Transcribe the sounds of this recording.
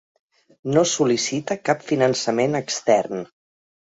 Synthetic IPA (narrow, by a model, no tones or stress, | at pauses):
nosulisit̪əkapfinənsəmenəkst̪ɛrn